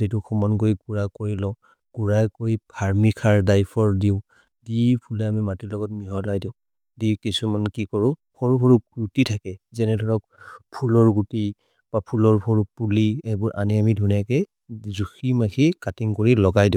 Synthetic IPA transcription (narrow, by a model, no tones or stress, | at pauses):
zetukʰɔmɔnkojkuɹakoɹilɔ | kuɹakojpʰaɹmikʰaɹdajpʰɔɹdiʊ̃ | dipʰulɛamimatilɔɡɔtmiɦɔlajdiʊ̃ | dikisumankikɔɹʊ̃pʰɔɹupʰɔɹuɹutitʰakɛzɛnɛdʱɔɹɔk̚ | pʰulɔɹɡuti | b̥apʰulɔɹpʰɔɹupuliɛbɔɹʔaniamidʱunakɛ | zuximaxʰikatiŋkoɹilɔɡajdĩ